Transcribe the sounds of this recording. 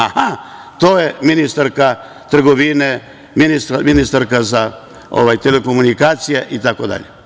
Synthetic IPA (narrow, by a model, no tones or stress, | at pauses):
aha | t̪oːjeminist̪aɾka | t̪r̩ɡoʋine | minist̪ɾaminist̪aɾkaza | o̰ʋajt̪eleko̞munikaːt̪sijeʔit̪ako̞d̪a̰ʎe